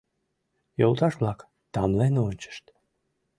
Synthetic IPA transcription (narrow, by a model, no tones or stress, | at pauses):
jɔlˠt̪ɑʃblˠɑk | t̪amlˠɛjnɔnʲt͡ʃə̥ʃt̪